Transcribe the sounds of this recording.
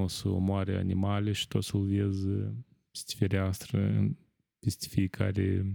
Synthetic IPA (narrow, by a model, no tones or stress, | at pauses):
osəo̰moaɾea̰nimaleʃi̥t̪o̞t̪səlviez | e̥st̪ʲi̥feɾeast̪ɾəɨ̰ | pest̪ʲfiekʰaɾe